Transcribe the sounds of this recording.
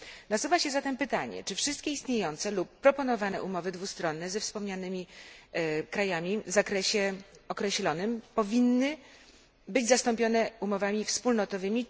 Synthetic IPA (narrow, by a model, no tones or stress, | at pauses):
nasuvaɕɛzat̪ɛmpɘt̪aɲɛ̰t͡ʂɘfʂɘst̪̚kʲeist̪ɲejɔnt̪sɛlupːɾɔpɔnɔvanɛ̰ʔumɔvɘd̪vust̪ɾɔnːɛzɛfspɔmɲanɘmʲi | kɾajamʲivzakɾɛɕɛɔkɾɛɕlɔnɘmpɔvʲinːɘ | bɘd͡ʑzast̪ɔmpʲjɔnɛumɔvamʲifspulnɔt̪ɔvɘmʲi